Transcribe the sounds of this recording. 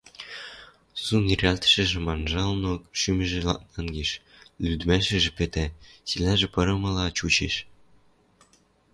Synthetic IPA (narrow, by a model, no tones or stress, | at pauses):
sunirʲɑlʲt̪ʃɘ̆ʒɘ̆mɑnʒɑlnokʃymɘ̆ʒĕlɑ̰nɑnɡʲiʃ | lʲyd̪mʲæʃɘ̆ʒɘ̆pĕt̪ʲæsilʲæʒɘ̆pɤ̆ɾɤ̆mɤ̆lˠɑt͡ɕut͡ɕḛʃ